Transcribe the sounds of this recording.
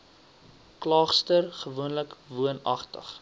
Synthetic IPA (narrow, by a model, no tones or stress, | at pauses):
klɑːχstərχəvuənləkvuənɐ̰χtə̰χ